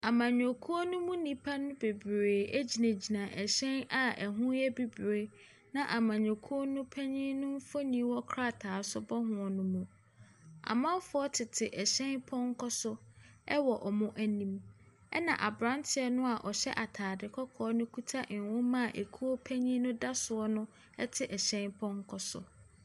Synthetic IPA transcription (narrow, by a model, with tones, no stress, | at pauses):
a˨mã˨ɲõ˨kʰu˦o˦nʊ̃˦mũ˦nĩ˦pʰa˦nʊ̃˦be˨bɾeː˨æ˦d͡ʑi˨næ̃˨d͡ʑi˨nã˨ʔɛ˨ɕɛ̃˦na˨æ˨ɦũ˦jɛ˦bi˦bɾe˨˦ | nã˦ʔa˨mã˨ɲɔ˨kʰu˦o˦nʊ̃˦pʰæ˦ɲĩ˦nʊ̃˦m̩˦fo˦nĩ˦wɔ˦kʰɾa˦˨tʰaː˨sʊ˦bɔ˦ɦʊ̃˨ɔ˨nʊ̃˦mũ˦ | a̰˨mã˦fʊ˨˦ɔ˦tʰɪ˨tʰɪ˨ʔɛ˨ɕɛ̃˦npʰɔ̃˦ŋ̩˦kʰɔ˦sʊ˦ɛ˦wɔ˨ʔɔ˨mʊ̃˦ʔæ˨nĩ˦m | ɛ̰˦nã̰˨ʔa˨bɾã˦ntʰɪ˨ɛ˦nʊ̃˦a˨ʔɔ˨ɕɛ̰˦ʔa˨tʰaː˨dɪ˨kʰɔ˦kʰɔː˦nʊ̃˦kʰu˦tʰa˦ʔn˨wʊ̃˦mã˦˨ʔe˨kʰu˦o˦pʰæ˦ɲĩ˦nʊ̃˦da˦sʊ˨ɔ˦nʊ̃˦ | ɛ̰˦tʰɪ˨ʔɛ˨ɕɛ̃˦npʰɔ̃˦ŋ˦kʰɔ˦sʊ̰˨